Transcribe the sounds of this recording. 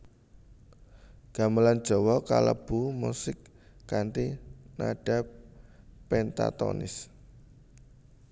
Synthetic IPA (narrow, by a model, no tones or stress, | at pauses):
ɡ̥a̤məland̥ʒ̥ɔ̤wɔka̰ləb̥umusɪkː | ant̪inaɖ̥a̤p̚ː | ɛnt̪a̰t̪ɔ̰nɪ̰s